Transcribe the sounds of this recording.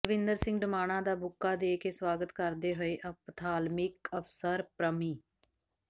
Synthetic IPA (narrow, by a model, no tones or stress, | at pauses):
ləʋɪ̃nd̪əɾsɪ̃ŋɡɖəmaːɽ̃ãːd̪aːbʊkːaːd̪eːkeːswaːɡət̪kəɾd̪eːɦoeːʔəpt̪ʰaːlmɪkəfsəɾpɾəmiː